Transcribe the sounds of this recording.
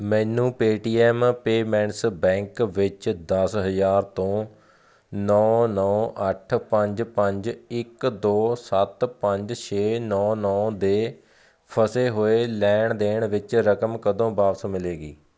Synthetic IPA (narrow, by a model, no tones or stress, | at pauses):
mɛ̃ːnũːpeːʈiːɛːmpeːmɛ̃ːɳʈsbɛ̃ːŋkʋɪt͡ʃd̪əsɦəzaːɾt̪õː | nɔːnɔːʔəʈʰpəɲd͡ʒpəɲd͡ʒɪkd̪oːsət̪pəɲd͡ʒt͡ʃʰeːnɔːnɔːd̪eː | pʰəseːɦoːeːlɛːɳd̪eːɳʋɪt͡ʃɾəkəmkəd̪õːbaːpsmɪleːɡḭː